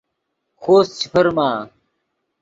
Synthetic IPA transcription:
xʰoːst͡ɕʰi̥pʰəɾmaː

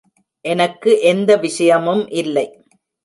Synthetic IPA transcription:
ʔɛnɐkːɯʔɛnd̪ɐʋɪʂɐjɐmɯmʔɪlːɐɪ

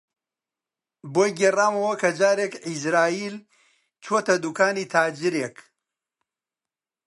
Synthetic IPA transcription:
boːjɡeraːmɐwɐkɐd͡ʒaːɾeːkizɾaːiːl | t͡ʃʰoːt̪ɐd̪ukaːniːt̪ʰaːd͡ʒɪɾek

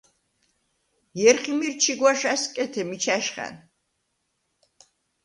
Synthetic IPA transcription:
jɛɾχimiɾt͡ʃʰiɡwaʃaskʼɛt̪ʰɛmit͡ʃʰaʃχa̰n

